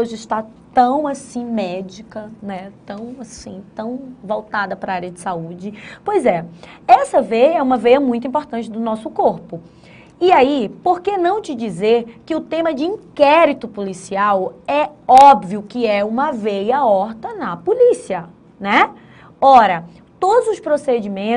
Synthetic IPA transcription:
oʒɪɪst̪at̪ɐ̃w̃asĩmɛd͡ʒikɐnɛt̪ɐ̃w̃asĩt̪ɐ̃w̃vowt̪ad̪ɐpɾɐaɾjɐd͡ʒɪsaud͡ʒɪpojzɛɛsɐvejɐɛũmɐvejɐmũj̃t̪ʊ̃ĩmpoɾt̪ɐ̃t͡ʃɪd̪ʊnɔsʊkoɾpʊ | iaipoɾkenɐ̃w̃t͡ʃɪd͡ʒizeɾkɪʊt̪ẽmɐd͡ʒɪĩkɛɾit̪ʊpolisiawɛɔbviʊkɪɛũmɐvejɐɔɾt̪ɐnɐpolisiɐ | nɛ | ɔɾɐ | t̪od̪ʊzʊspɾosed͡ʒimẽ

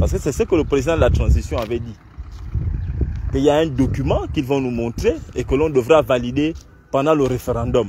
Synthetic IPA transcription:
paʁsə̥kəsɛsəkələpʁezid̪ãdəlat̪χɑ̃zisjɔ̃avɛdi | kəiljaɛ̃dɔkymɑ̃kilvɔ̃numɔ̃t̪χeekəlɔ̃dəvʁavalide | pɑ̃dɑ̃ləʁefeʁɑ̃dɔm

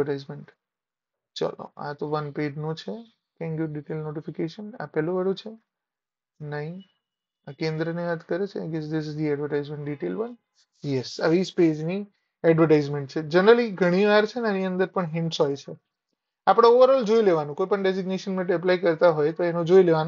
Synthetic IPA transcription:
əʈajzmeɳʈ | t͡ʃa̰lo̰a̰t̪oʋənped͡ʒnũt͡ʃʰe | t̪ʰɛ̃ŋkjuɖiʈelnoʈifikeʃəna̰pɛlũʋəɽũt͡ʃʰe | nəɦĩ | akẽnd̪ɾəniʋat̪kəɾet͡ʃʰeaɡesd̪ɪs̬ɪzd̪iɛɖʋəɾʈajzmẽɳʈɖiʈelʋən | jɛsə̰ʋisped͡ʒni | ɛɖʋəɾʈaizmẽɳʈ̚t͡ʃʰed͡ʒənɾəliɡʱəɽ̃iʋaɾt͡ʃʰenaniənd̪əɾpəɳɦɪ̃ɳʈsɦojt͡ʃʰe | apɽ̃aoʋəɾɔld͡ʒoileʋanũkojpəɳɖeziɡneʃənmɛ̃ʈ̬ɛp̬laikəɾt̪aɦojt̪oenũd͡ʒoileʋan

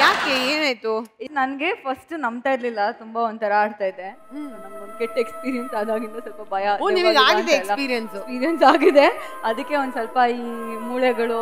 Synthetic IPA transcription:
jaːkeeːnaːjt̪unɐnɡe̞pʰɐsʈnɐmbt̪aːiɾlilːɐt̪umbaond̪ut̪ʰɐɾɐaːɖt̪aːjid̪e | nɐmɡond̪keʈːekspiːɾijensaːd̪aːɡilːɐsɔlpɐbʱɐjɐoːniːʋiːɡaːɡidd̪eeɾslːɐpiːɾijɐnsspiːɾijɐnsaːɡid̪e̞ | ɐd̪ɐkːe̞ond̪usɐlpɐiːmuːɭjɛɡɐɭu

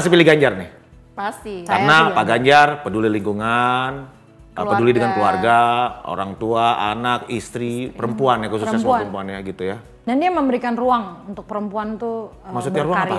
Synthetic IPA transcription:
pasipilɪhɡaɲd͡ʒarnɪh | sika̰napaɡaɲd͡ʒarpəduliliŋkuŋan | ʔəpədulidəŋankluarɡao̰ɾaŋt̪uaʔanakist̪ɾipəɾəmpuanjakus̬usɲasɾəmpuanjaɡit̪uja | dandiaməmbəɾikanruaŋunt̪ʊk̚pəɾəmpuant̪umaksut̪̚ɲaɾuaŋapa

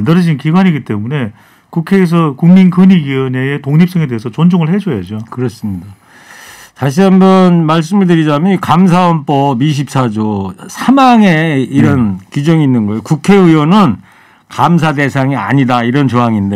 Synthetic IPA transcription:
ndɯɾʌd͡ʑinkiɡwaɲiɡit͈e̞mune̞ | kukʰe̞ːs̬ʰʌkuŋminkʰɯɲiɡiʌneetoŋɲip̚s͈ʌŋe̞de̞ɦes̬ʰʌt͡ɕond͡ʑoŋɯɭhe̞d͡ʑʌjad͡ʑokɯɾʌs͈ɯmɲida | taɕ̬ʰiɦambʌnmaɭs̬͈ɯmɯɭdɯɾid͡ʑamjʌnkams̬ʰaʌnpʰʌbiɕ̬ʰip̚s͈ad͡ʑosʰamaŋe̞iɾʌnkid͡ʑʌŋiːnːɯnɡʌejokukʰe̞iwʌnɯn | kams̬ʰade̞sʰaŋia̰ɲidaiɾʌnt͡ɕoɦaŋinde

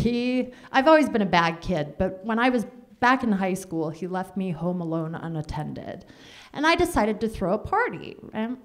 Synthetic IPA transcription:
hi | ʔaɪvɔlˠwizbɨ̃ñɨbæd̚kʰɪd̚b̥ʌt̚wə̃ɾ̃aɪwʌzb̥ækɨ̃n̩ɦaɪskulˠilɛft̚mihõʊ̃məlõʊ̃nʌ̰̃nɨtʰɛ̃ndɪ̰d | ʔɨ̃naɪdɨsaɪɾɨd̚tɨθɹoʊəpʰɑɹɾḭɨ̃n

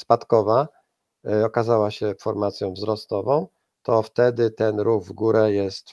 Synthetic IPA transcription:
spat̪kɔva | ɔkazawaɕɛfɔɾmat̪sʲjɔ̃w̃vzɾɔst̪ɔvɔ̃w̃ | t̪ɔft̪ɛd̪ɘt̪ɛnɾuɣvɡuɾɛjɛst̪

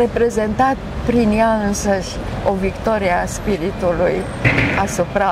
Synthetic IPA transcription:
e̞pɾe̞ze̞nt̪at̪̚ | pɾinjaɨnsəʃʲ | o̞vikt̪o̞ɾiaspiɾit̪uluj | asupɾa

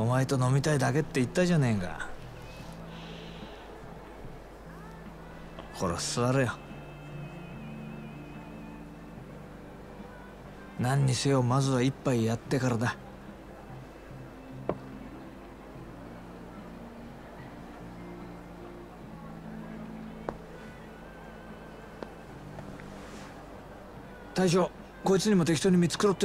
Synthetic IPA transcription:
o̞maet̪o̞no̞mʲit̪aid̪ake̞t̪ːe̞it̪ːaʑane̞ŋɡa̰ | kʰo̞ɾosɨβaɾɯjo | nãɲ̟ːisejo̞mazɨβaipːaijat̪ːe̞kaɾad̪a | t̪aiɕ̬o̞ | ko̞ːit͡sɨɲ̟imo̞t̪e̞kʲi̥t̪o̞ɲ̟imʲit͡sɨ̥kɯ̟ɾo̞t̪ːe

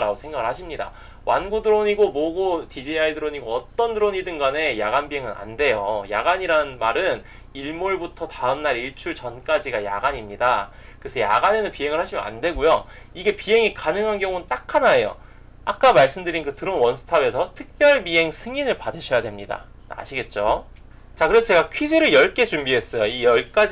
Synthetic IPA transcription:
ɾaɡosʰe̞ŋɡaɡɯɭhaɕʰimɲida̰ | wʔa̰nɡudɯɾoɲiɡomoɡotid͡ʑiaidɯɾoɲiɡoʌt͈ʌndɯɾoɲidɯnɡane̞jaɡanbiɦe̞ŋɯna̰nde̞joja̰ɡaɲiɾanmaɾɯn | iɭmoɭbutʰʌtaɯmnaɾiɭt͡ɕʰuɭt͡ɕʌnk͈ad͡ʑiɡaja̰ɡaɲimɲida | kɯesʰʌja̰ɡane̞nɯnpiɦe̞ŋɯɭhaɕʰimjʌna̰ndwe̞ɡujo | iɡe̞piɦe̞ŋikanɯŋɦanɡjʌŋunɯnt͈akʰanaejo̰ | ak͈̚amaɭs͈ɯmdɯɾinkɯtɯɾʌnwʌnsʰɯ̥tʰabe̞sʰʌtʰɯk̚p͈jʌɭbiɦe̞ŋsʰɯŋinɯɭpadɯɕʰʌjadwe̞mɲida̰ | a̰ɕʰiɡe̞t̚t͡ɕ͈o | t͡ɕakɯɾe̞sʰʌt͡ɕe̞ɡakʰɥid͡ʑiɾɯɭjʌɭk͈e̞t͡ɕumbiɦe̞s͈ʌjoijʌɭk͈ad͡ʑ

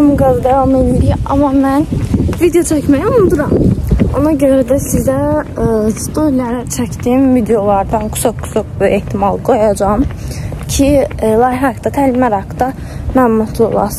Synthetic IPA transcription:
mɡazd̪ævamelmiliɑ̰mɑmænvid̪ejo̞t͡ʃʰæcmæjæulˠd̪uɾɑmo̞nɑɟø̞ɾæd̪æsizæ | st̪ʰoɾlʲæɾat͡ʃʰæcd̪iːmvid̪ejolˠɑɾd̪ankʰu̥sʰakkʰːu̥sak̚beht̪ʰimɑlˠɡo̞jɑd͡ʒɑmcʰilˠɑjɑkt̪ɑt̪ʰælmæɾɑkd̪ɑ | mænmut̪ʰlˠo̰lˠɑ̰s

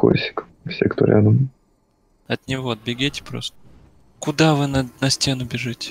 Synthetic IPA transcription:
ko̰sʲɪ̥k | fsʲekt̪o̰ɾʲʔa̰d̪əm | ɐt̪nʲɪvo̞ɐd̪̚bʲɪɡʲetʲɪ̥pɾo̰st̪ə̥ | kʊd̪avɨnnɐsʲtʲe̞nʊbʲɪʐɨtʲɪ̥

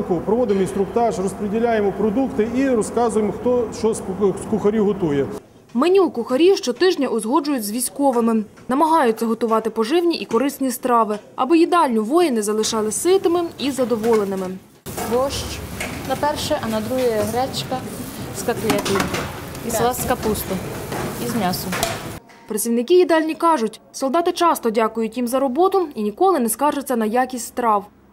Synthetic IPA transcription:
kʊpɾɔʋɔd̪ɪmɔinst̪ɾʊkt̪ɑʂrɔspɾedʲɪlʲajemɔpɾɔd̪ukt̪ɪiɾɔskɑzʊjɪmɔxt̪ɔʃt͡ʃɔskʊxɐɾʲiɦɔt̪ujɛ | menʲukʊxɐɾʲiʃt͡ʃɔt̪ɪʒnʲɐʔʊzɦɔd͡ʒʊjʊt͡sʲzʋʲisʲkɔʋɐmɪ | nɐmɐɦɑjʊt͡sʲːɐɦɔt̪ʊʋɑt̪ɪpɔʒɪwnʲiʔikɔɾɪsʲnʲist̪ɾɑʋɪɐ̰bɔjid̪ɑlʲnʲʊʋɔjɐnɪzɐlˠɪʃɑlˠɪsɪt̪ɪmɪizɐd̪ɔʋɔlˠenɪmɪ | ʋɔʃt͡ʃnɐpɛrʃɛʔɐnɐd̪ɾuɦɐjɐɦɾɛt͡ʃkɐskɐklʲɛt̪iislˠɑsʲkɐpust̪ʊizmʲasʊ | pɾɐt͡sʲiʋwnɪkʲijid̪ɑlʲnʲikɑʒʊtʲsɔlˠd̪ɑt̪ɪt͡ʃɑst̪ɔdʲakʊjʊtʲimzɐɾɔbɔt̪ʊinʲikɔlˠɪnɛskɑʒʊt͡sʲːɐnɐjakʲisʲtʲst̪ɾɑw

